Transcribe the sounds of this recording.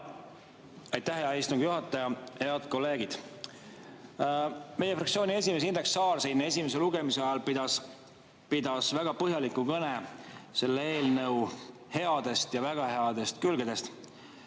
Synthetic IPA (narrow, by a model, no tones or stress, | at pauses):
ɑjt̪ːˑæhɦeɑist̪uŋɡ̥juɦɑt̪ːˑɑjɑhe̞ɑd̪ko̞lːe̞ːɡid̪̥ | me̞jefrɑktsio̞ːnʲie̞s̬ʲime̞s̬ind̪e̞ksːɑːlsijnːe̞s̬ʲimes̬e̞luɡe̞miseɑjɑlpid̪ɑs | pid̪ɑsvæɡ̥ɑpɤɦjɑlikːukɤnese̞lːee̞ːlnɤw | he̞ɑd̪̥e̞st̪jɑvæɡ̥ɑhe̞ɑd̪̥e̞st̪kylɡed̪̥e̞st̪